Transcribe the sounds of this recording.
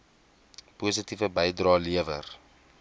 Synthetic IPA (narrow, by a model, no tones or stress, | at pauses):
pusitivəbɛjdrɑːliəvər